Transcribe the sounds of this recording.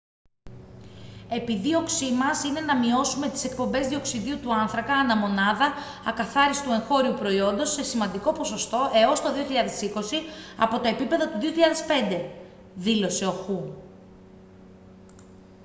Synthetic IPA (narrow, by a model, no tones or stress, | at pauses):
e̞piðio̞ksimɐsine̞nɐmio̞sume̞t̪i̥se̞k̚po̞mbe̞zðio̞ksiðiut̪uɐnθɾɐkɐːnɐmo̞nɐðɐːkɐθɐɾisi̥t̪ue̞ŋxo̞ɾiupɾo̞io̞nd̪o̞se̞simɐnd̪iko̞po̞so̞st̪o̞ʔe̞o̞st̪o̞ðioçiʎɐðe̞siko̞siɐ̰po̞t̪ɐe̞pipe̞ðɐt̪uðio̞çiʎɐðe̞spe̞nd̪e̞ | ðilo̞se̞o̞xu